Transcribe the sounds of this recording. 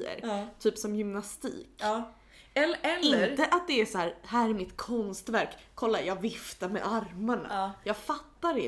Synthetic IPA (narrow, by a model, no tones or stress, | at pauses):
ə̰ɾt̪ʰyːpsɔmjʏmnast̪ḭːkː | ɛlɛlɪnəɾəʔat̪̚d̪ɛæsɔæːɾɦæːɾæɾmɪt̪kʰɔnst̪væɾkʰːɔlːajɑːɡvɪft̪aɾmɛ̰ʔaɾmaɳa̰jɑːɡfat̪ːaɖɛ